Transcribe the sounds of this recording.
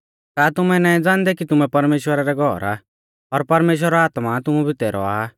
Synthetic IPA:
kaːt̪ʊmɛnãːĩd͡zãːnd̪ɛkit̪ʊmɛpɐɾmeːʃwəɾaɾɛɡʱɔːɾa̰ | ɔɾpɐɾmeːʃ̬wəɾaaːt̪mat̪ʊmũbʱit̪eːɾɔ̰a

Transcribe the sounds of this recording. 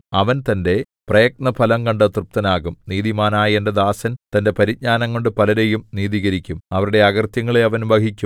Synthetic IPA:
ɐʋɐnt̪ɐnde̞ | prɐjɐk̚nɐpʰɐlɐŋkɐɳɖɨt̪rup̚t̪ɐnaːɣumniːðimaːnaːjendɐd̪aːsɐnt̪ɐnde̞pɐɾid̪̚ɲaːnɐŋːoɳɖɨpɐlɐɾe̞jumniːðiːɣɐɾikʲːumɐʋɐɾuɽe̞ɐɣɐrt̪jɐŋːɐɭeɐʋɐnbɐkikʲːum

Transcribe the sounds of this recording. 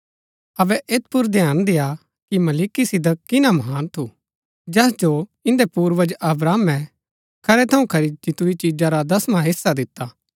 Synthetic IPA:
ɐʋɛʔeːt̪̚pʊɾd̪ejaːnd̪ɪja | kimɐliːkisɪd̪əkɪnamɐɦaːnt̪ʰu | d͡ʒɛːsd͡ʒoɪ̃nd̪epuːɾʋəd͡ʒɐbɾaːmɛ̃ | kʰɐɾɛt̪ʰɐũkʰɐɾid͡ʒɪt̪uit͡ʃiːd͡ʒaɾad̪ɐsmãɦɪsːad̪ɪt̪ːa

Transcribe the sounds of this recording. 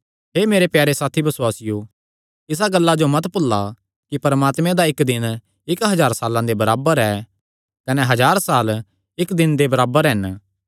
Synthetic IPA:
ɦeːmeːɾepjaːɾesaːt̪ʰibɐswaːsɪjo | ɪs̬aɡɐlːad͡ʒomɐt̪pʊlːa | kipɐɾmaːt̪mẽd̪aɪkd̪ɪn | ɪkɦɐd͡ʒaːɾsaːlãd̪ebɐɾaːbəɾɛ | kɐneɦɐd͡ʒaːɾsaːl | ɪkd̪ɪnd̪ebɐɾaːbəɾɦɪn

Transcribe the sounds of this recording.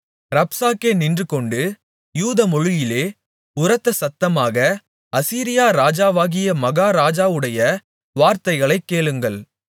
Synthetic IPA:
ɾɐpsaːkːeːnɪndrɯkɔɳɖɯ | juːðɐmɔɻɯjɪleː | ʊɾɐt̪ːɐsɐt̪ːɐmaːɣɐ | ɐsiːɾɪjaːɾaːd͡ʒaːʋaːɣɪjɐmɐɣaːɾaːd͡ʒaːʋɯɽɐjɐ | ʋaːɾt̪ɐɪɣɐɭɐɪkːeːɭɯŋɡɐɭ

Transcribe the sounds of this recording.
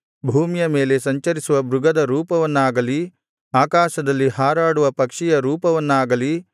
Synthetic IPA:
bʱuːmijɐme̞ːle̞sɐɲt͡ʃɐɾisuʋɐbɾuɡɐd̪ɐɾuːpɐʋɐnːaːɡɐli | aːkaːʃɐd̪ɐlːiɦaːɾaːɽuʋɐpɐkʂijɐɾuːpɐʋɐnːaːɡɐli

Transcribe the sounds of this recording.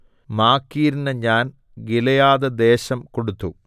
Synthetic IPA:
maːkːiːɾinɐɲaːn | ɡilɐjaːðɐd̪e̞ːɕɐmkoɽut̪ːu

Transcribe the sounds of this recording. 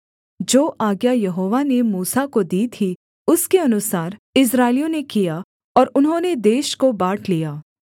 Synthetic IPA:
d͡ʒoːʔaːɡjajɐɦoːʋanemuːsakod̪iːt̪ʰi | ʊskeɐnʊsaːɾɪs̬ɾaːɪlijõnekija | ɔːɾʊnɦõːned̪eːʃkobaːʈʰlijaː

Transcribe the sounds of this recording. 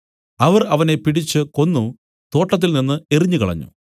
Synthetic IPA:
ɐʋɐrɐʋɐne̞piʈit͡ɕːɨko̞nːu | t̪o̞ːʈːɐt̪̬ːilninːɨe̞riɲːukɐɭɐ̰ɲːṵ

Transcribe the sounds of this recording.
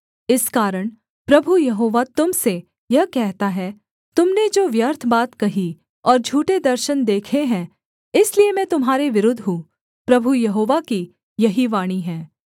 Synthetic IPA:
ɪskaːɾəɽ̃ | pɾɐbʱujɐɦoːʋat̪ʊmse | jɐɦkɛɦt̪aɦɛ | t̪ʊmned͡ʒoːʋjɐɾt̪ʰbaːt̪kɐɦi | ɔːɾd͡ʒʱuːʈed̪ɐɾʃənd̪eːkʰeɦɛ̃ː | ɪsliemɛ̃t̪ʊmɦaːɾeʋɪɾʊd̪ʱɦũː | pɾɐbʱujɐɦoːʋaki | jɐɦiʋaːɽ̃iɦɛ̃ː

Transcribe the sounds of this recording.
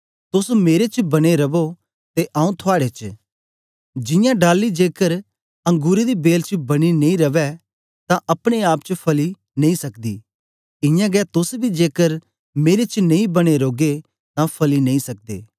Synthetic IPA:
t̪ʊsmeːɾet͡ʃbɐɽ̃eɾɐbo | t̪eʔaːũt̪ʰʊaːɽet͡ʃ | d͡ʒɪ̃jãɖaːlːid͡ʒeːkəɾ | ɐ̃ŋɡuːɾed̪ibeːlt͡ʃbɐɽ̃inẽĩɾɐʋɛ | t̪ãʔɐpɽ̃eaːpt͡ʃpʰɐli | nɐ̃ĩsɐkd̪ḭː | ɪ̃jãɡɛt̪ʊsbʱid͡ʒeːkəɾ | meːɾet͡ʃnẽĩbɐɽ̃eɾoːɡe | t̪ãpʰɐlinɐ̃ĩsɐk̚d̪ḛː

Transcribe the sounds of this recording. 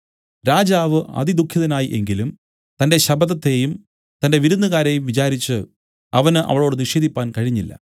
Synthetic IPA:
ɾaːd͡ʑaːʋɨɐ̰d̪id̪ukʰːiðɐnaːjiʔe̞ŋɡilum | t̪ɐnde̞ɕɐbɐðɐt̪ːe̞ːjum | t̪ɐnde̞ʋiɾunːɐɣaːɾe̞ːjumʋit͡ɕaːɾit͡ɕːɨ | ɐʋɐnɨʔɐ̰ʋɐɭo̞ːɽɨniʂeːðipːaːnkɐɻiɲːilːɐ̰

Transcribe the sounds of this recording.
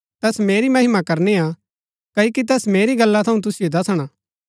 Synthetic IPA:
t̪ɛːsmeːɾimɐɦɪmakɐɾneːa | kɐokit̪̬ɛːsmeːɾiɡɐlːat̪ʰɐũt̪̬ʊsɪjod̪ɐsɽ̃a

